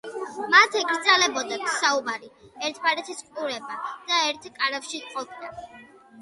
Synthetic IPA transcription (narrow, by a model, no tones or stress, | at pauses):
mat̪ʰɛɡɾd̪zalɛbɔd̪at̪ʰsaubaɾiɛɾt̪ʰbaɾɛt̪ʰisqʼuɾɛbad̪̥aɛɾt̪ʰkʼaɾafʃiqʼɔpʰd̪a